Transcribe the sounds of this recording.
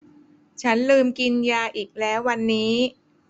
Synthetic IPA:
t͡ɕʰa˦˥nlɯː˧mki˧njaː˧ʔiː˨˩k̚lɛː˦˥wːa˧nːiː˦˥

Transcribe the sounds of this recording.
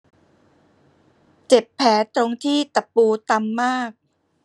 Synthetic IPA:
t͡ɕe˨˩pʰːɛː˩˦t̪ɾo˧ŋt̪ʰiː˥˩t̪a˨˩pːuː˧t̪a˧mːaː˥˩k̚

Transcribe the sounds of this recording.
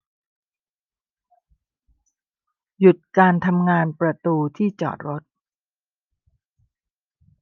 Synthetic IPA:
ju˨˩t̪̚kaː˧nt̪ʰa˧mŋaː˧npɾa˧t̪uː˧t̪ʰiː˥˩t͡ɕɔ̰ː˨˩t̪̚ɾo˦˥t̪̚

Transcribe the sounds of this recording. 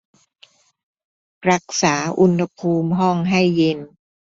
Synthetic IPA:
pɾa˦˩k̚saː˩˦ʔu˧nha˧pʰuː˧mɦɔ˥˩ŋɦa˥˩jːe˧n

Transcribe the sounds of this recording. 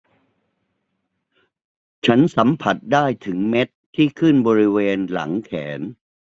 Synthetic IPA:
t͡ɕʰa˦˥nsa˩˦mpʰa˨˩t̪̚daː˥˩jt̪ʰɯ˩˦ŋme˦˥t̪̚ʰːiː˥˩kʰɯ˥˩nbɔː˧ɾi˦˥weː˧nla̰˩˦ŋkʰɛː˩˦n

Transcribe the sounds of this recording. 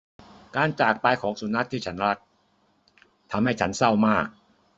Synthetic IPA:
kaː˧nt͡ɕaː˨˩k̚paː˧jkʰɔː˩˦ŋsu˨˩˦na˦˥t̪ʰːiː˥˩t͡ɕʰa˦˥nɾa˦˥t̪̚ | t̪ʰa˧mha˥˩jt͡ɕʰa˦˥nsa˥˩wmaː˥˩k̚

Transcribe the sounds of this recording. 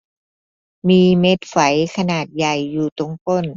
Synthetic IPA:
miː˧me˦˥t̪̚fa˩˦jkʰa˧naː˨˩t̪̚ja˨˩jːuː˨˩t̪o˧˩˦ŋko˧˩n

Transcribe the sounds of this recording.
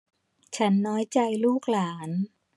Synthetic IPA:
t͡ɕʰa˦˥nːɔː˦˥jt͡ɕa˧jluː˥˩k̚laː˩˦n

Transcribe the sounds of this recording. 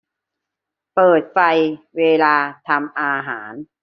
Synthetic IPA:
pɤː˨˩t̪̚fa˧jweː˧laː˧t̪ʰa˧mʔaː˧ɦaː˩˦n

